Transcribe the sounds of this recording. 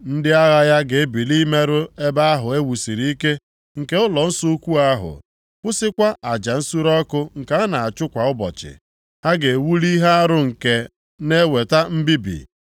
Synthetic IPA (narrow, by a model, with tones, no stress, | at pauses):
n̩˦dɪ˦a˦ɣa˦ja˦ɡe˨e˦bi˨li˦me˦ɾʊ˦e˦ba˦a˦ɦʊ˨e˦wu˨si˨ɾi˦i˦ke˦ | ŋ̩˨ke˦ʊ˦lɔ˨n̩˦su˦u˦kʷu˦a˦ɦʊ̰˨ | pʊ˦sɪ˦kʷa˦ʔa˨d͡ʒa˨n̩˦su˦ɾɔ˦kʊ˦ŋ̩˨ka˨a˦na˨a˨t͡ʃʊ˦kʷa˨ʊ˦bɔ̰˨t͡ʃɪ̰˨ | ha˦ɡe˨wu˦li˦ɦa˦a˦ɾʊ˦ŋ̩˨ke˨ | ne˦we˨ta˦m̩˦bi˦bḭ˨